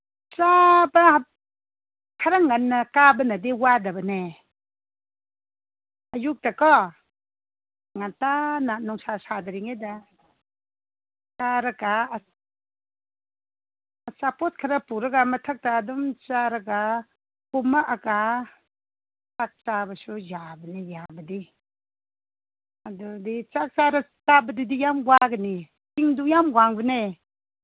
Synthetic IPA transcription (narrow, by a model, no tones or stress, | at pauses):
t͡ʃabɐ | kʰaɾaŋanːɐkabɐnɐdiwadɐbɐne | ɐjuk̚takɔ | ŋantananɔŋsasadɐɾiŋeda | kaɾɐka | t͡ʃapɔt̚kʰɐɾɐpuɾɐɡamɐtʰɐk̚taːdumt͡ʃaɾɐɡa | kumaʔaka | t͡ʃak̚t͡ʃabɐsujabɐnejabɐdi | adudit͡ʃak̚t͡ʃaɾat͡ʃabɐdidijamɡwaɡɐni | tiŋdujamɡwaŋbɯne